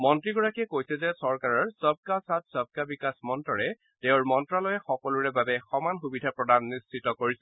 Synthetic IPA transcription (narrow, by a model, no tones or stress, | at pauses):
mɔntɹiɡɔɹakiɛkojsɛzɛsɔɹkaɹɔɹsɔb̚kasat̚sɔb̚kabikasmɔntɔɹɛ | teʊɹmɔntɹalɔjɛxɔkɔlʊɹɛbabɛxɔmanxubidʱapɹɔdanːist͡ʃitɔkoɹisɛ